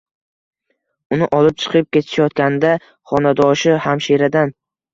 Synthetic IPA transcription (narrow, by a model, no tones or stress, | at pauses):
ʊnɪʔɒlˠɪp̚t͡ʃʰɨ̥qʰɨp̚kʲe̞t̪ʰɪ̥ʃajɒt̪̚kʲanɪd̪a | χɒnad̪ɒʃɪhamʃeɾad̪an